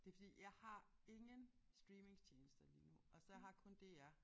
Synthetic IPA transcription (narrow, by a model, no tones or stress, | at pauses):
d̥e̝fɒd̥ḭːjɑ̈ɪhɑ̈e̝ŋən | sd̥ʁiːme̝ŋsʰeːnl̩sd̥ɐlḭːnuʔɒ̽sɒɦɑ̈kʰɔ̽nd̥e̝æɐ